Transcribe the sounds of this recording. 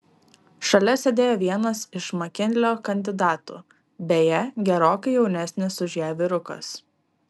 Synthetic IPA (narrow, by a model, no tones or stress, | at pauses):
ʃɐlʲɛsʲed̪ʲeːjoːʋʲiɛnɐsɪʃmɐkʲɪnʲlʲoːkɐnʲd̪ʲɪd̪ɑːt̪ṵː | bʲeːjɛɡʲɛɾoːkɐɪjɛʊnʲɛsʲnʲɪsʊʒʲæːʋʲɪɾʊkɐ̰s